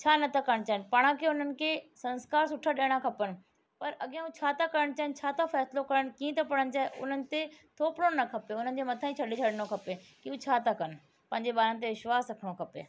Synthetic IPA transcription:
t͡ɕʰaːnɐt̪ʰɐkɐɾəɽ̃t͡ɕaːɪnɪ̆pɐɽ̃ãkeʊn̤ənɪ̆kʰeːsɐ̃nskaːɾsʊʈʰəɗeːɽ̃ãkʰɐpənɪ̆ | pɐɾɐɠãũt͡ɕʰaːt̪akɐɾəɽ̃t͡ɕaːɪnɪt͡ɕʰaːt̪afɛːslokɐɾəɽ̃kiːẽt̪ɐpɐɽ̤̃ənɪ̆t͡ɕaːɦeʔʊ̰n̤ənɪ̆t̪et̪ʰoːpɽonɐkʰɐpeʊn̤ənɪ̆d͡ʑemɐt̪ʰãĩt͡ɕʰɐɗet͡ɕʰɐɽɪnokʰɐpe | kiũt͡ɕʰaːt̪ɐkɐnɪ̆ | pɐ̃ɦɪ̃ɲd͡ʑeɓaːɾənɪt̪̬eʋɪʃʋaːzɾɐkʰəɽ̃okʰɐpḛː

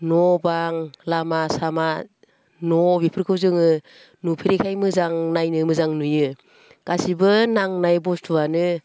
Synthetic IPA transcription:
nɔbaŋlamasama | nɔbipʰɯɾkʰɯwzɯŋɯ | nupʰiɾikʰajmɯzaŋnajnɯmɯzaŋnujɯ | ɡ̥asibɯnaŋnajbɔstʰuanɯ

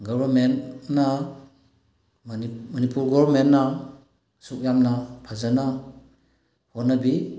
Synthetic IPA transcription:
ɡɔbaɾmenːa | manipulɡɔbɾmentːa | suk̚jamnapʰazana | hɔnabi

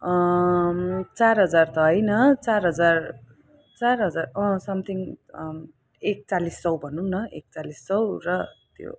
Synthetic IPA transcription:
ʌ | t͡sarɦʌd͡zart̪ʌɦʌjnʌt͡sarɦʌd͡zar | t͡sarɦʌd͡zarʌ̃sʌmt̪ʰiŋ | ek̚t͡salist͡sʌwbʱʌnunʌḛk̚t͡salist͡sʌwrʌt̪jo̰

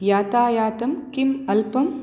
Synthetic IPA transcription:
jaːt̪aːjaːt̪ɐmkimɐlpɐm

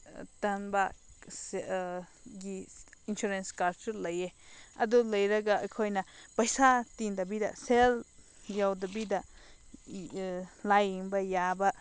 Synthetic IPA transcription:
t̪anbase | jiinʃuɾenskalt͡ʃuɾlejea̰d̪ulejɾaɡaʔkʰojnãpajsat̪ind̪aβid̪a̰sel | jawd̪abid̪a | lajimbajaba

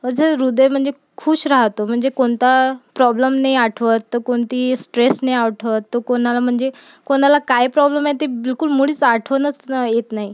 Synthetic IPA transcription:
ʋəd͡zəɾud̪əjm̤əɳd͡ze | kʰuːɕɾaɦt̪om̤əɳd͡zekoɳt̪apɾɔbləmnajaʈʰʋət̪ːəkoɳt̪iːsʈɾesnajaʋʈʰʋət̪ːəkonalam̤əɳd͡ze | koɽalakaɦipɾɔbləmaɦet̪ebilkulmuɭ̤iːt͡saʈʰʋənət͡sjet̪naɦi

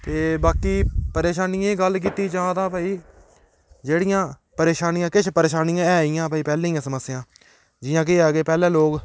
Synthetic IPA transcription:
t̪eːbaːkiːpəɾeːʃaːnɪjãːɡəlk̬iːt̪iːd͡ʒãːt̪ãːpaːiː | d͡ʒeːɽɪjãː | pəɾeːʃaːnɪjãːkɪt͡ʃʰpəɾeːʃaːnɪjãːɛːɪjãːpaːiːpɛːlẽːiːãːsəməsːɪjãː | d͡ʒɪjãːk̬eːaːɡeːpɛːlɛ̃ːloːɡ

